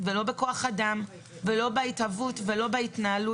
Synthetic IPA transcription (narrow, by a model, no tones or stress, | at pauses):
velo̞be̞ko̞aχadam | velo̞beitavutve̞lo̞beitnaːlu